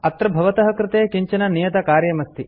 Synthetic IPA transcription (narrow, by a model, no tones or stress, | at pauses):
ɐt̪ɾɐbʱɐʋɐt̪ɐɦɐkɾɪt̪eːkiɲt͡ʃɐnɐnijɐt̪ɐkaːɾjɐmɐst̪i